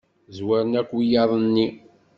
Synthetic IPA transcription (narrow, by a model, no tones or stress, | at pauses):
zwæɾənækʷːijɑɾˤənːi